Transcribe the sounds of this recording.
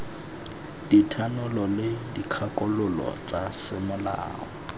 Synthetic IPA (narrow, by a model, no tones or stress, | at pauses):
ditʰanʊlɔlɪdikʰakʼʊlʊlɔ̰t͡sʼasɪmʊla̰ːɔ̰